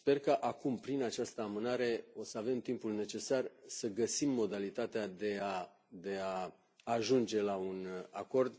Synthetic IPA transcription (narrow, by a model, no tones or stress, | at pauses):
spe̞rkəʔakumpɾinat͡ʃast̪əamɨnaɾe̞o̞səave̞mt̪impulne̞t͡ʃe̞sarsəɡəsimːo̞d̪alit̪at̪ead̪e̞a | d̪e̞aː | ʒund͡ʒe̞launako̞rd̪